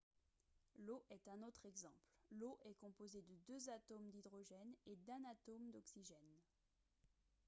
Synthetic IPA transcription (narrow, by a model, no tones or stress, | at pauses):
loʔɛt̪ɛ̃not̪χɛɡzɑ̃plloʔɛkɔ̃pozed̪əd̪øzat̪omd̪id̪ʁɔʒɛned̪ɛ̃nat̪omd̪ɔksiʒɛn